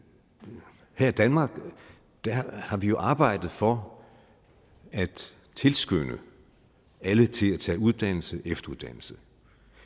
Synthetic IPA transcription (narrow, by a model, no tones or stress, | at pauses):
hæɐid̥ænmɑ̈ːɡ̥ | d̥æhɑ̈ʋijo̝ʔɑ̈ːb̥ɑ̈ɪ̰d̥ð̞̩ˠfɒ̽ | æd̥ | t͡sʰe̝lsɡ̥ønə | ælət͡sʰe̝læt͡sʰɛ̰ːuð̞ˠd̥æn̰l̩səʔefd̥ɐuðˠd̥æn̰l̩sə